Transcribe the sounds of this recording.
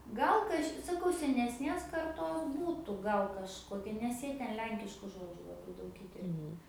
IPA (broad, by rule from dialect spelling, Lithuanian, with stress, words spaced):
ˈɡɐlˠ kɐʃʲ sɐˈkɐʊ sʲɛnʲɛsʲˈnʲeːs kɐrˈtoːs ˈbuːtʊ ˈɡɐlˠ kɐʃˈkoːkʲɛ nʲɛs ˈjiɛ ˈtʲɛn ˈlʲɛŋʲkʲɪʃkʊ ˈʒoːd͡ʒʲʊ lˠɐˈbɐɪ ˈdɐʊk ˈiːtʲɛrʲpʲɛ